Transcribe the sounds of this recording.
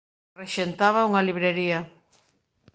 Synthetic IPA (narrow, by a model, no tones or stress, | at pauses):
reʃent̪aβauŋaliβɾeɾiɐ